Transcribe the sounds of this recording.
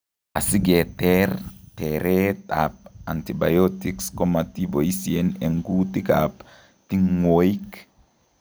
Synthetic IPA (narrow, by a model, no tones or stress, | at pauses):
asiɡetɛrtɛɾeta̰p̚antiba̰jotikskɔmat̪iboisieneŋɡutika̰p | tiŋwoik